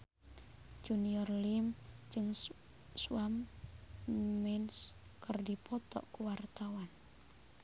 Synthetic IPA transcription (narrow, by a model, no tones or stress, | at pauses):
d͡ʒ̥uniɔrlimd͡ʒɨŋ | suam | ɛnskərdipʰɔt̪ɔ̰ʔkuwart̪awan